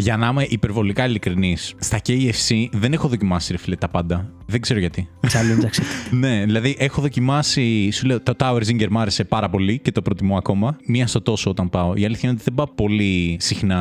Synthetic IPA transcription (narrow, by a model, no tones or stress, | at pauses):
ʝɐnimeʔipe̞ɾvo̞likɐilikɾinisst̪ɐceiefsiðe̞ne̞xo̞ðo̞cimɐsiɾefilet̪ːɐpɐnd̪ɐ | ðeɡz̥e̞ɾoʝɐt̪isɐlud̪ɐkset̪ne̞ðilɐðiʔexo̞ðo̞cimɐsisule̞ot̪ot̪ɐweɾziɲɟeɾmɐɾe̞se̞pɐɾɐpo̞lice̞t̪o̞pɾo̞t̪imoɐko̞mɐmiɐst̪ot̪o̞soot̪ɐnpɐo̞ʔiɐliθçɐinot̪iðebɐpo̞lisixnɐ